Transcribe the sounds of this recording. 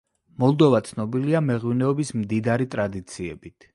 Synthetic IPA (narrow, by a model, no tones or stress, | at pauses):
mɔlˠd̪ɔvat̪sʰnɔbiliamɛʁwinɛɔbismd̪id̪aɾit̪ʼɾad̪it̪sʰiɛ̰bit̪ʰ